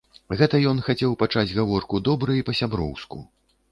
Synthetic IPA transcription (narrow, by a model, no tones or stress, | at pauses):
ɣɛt̪ɐjɔnxat͡sʲɛwpat͡ʂad͡zʲɣavɔrkud̪ɔbɾɨipɐsʲabɾɔ̰wskṵ